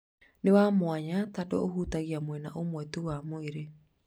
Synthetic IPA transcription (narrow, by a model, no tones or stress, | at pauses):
newamwaɲatadoʔoɦutaɣiamwɛna̰ʔomwɛtuwamoeɾe